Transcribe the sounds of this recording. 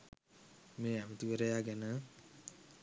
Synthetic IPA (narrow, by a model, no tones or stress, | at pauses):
meːæmət̪uʋəɾəjaːɡænə